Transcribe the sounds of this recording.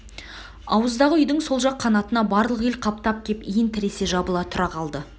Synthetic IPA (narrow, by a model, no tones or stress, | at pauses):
ɑ̰wəzd̪ɑʁəʏjd̪ɪŋso̞lˠʒɑqʰːɑnɑt̪ənɑbɑɾlˠəqelqʰɑp̚t̪ɑp̚kʲʰe̞pijɪnt̪ʰɪɾe̞se̞ʒɑbəlˠɑt̪ʰʊɾɑqʰɑlˠd̪ə